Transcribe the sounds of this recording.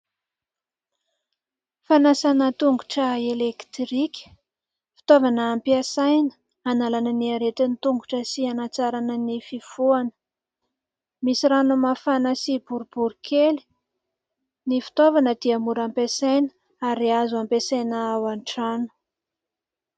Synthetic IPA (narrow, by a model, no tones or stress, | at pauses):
fanasanət̪uŋɡuʈ͡ʂəelekt̪rikʲə̥ | fi̥t̪ovanəːmpiasajnə̥ | analanəniaɾet̪init̪uŋɡuʈ͡ʂəsianat͡saɾanənififuanə̥ | misiɾanumafanəsibuɾubuɾukʰeli̥ | nifi̥t̪ovanəd̪̥iamuɾampesajnə̥ | aɾiazuampesajnəawaɳʈ͡ʂanu̥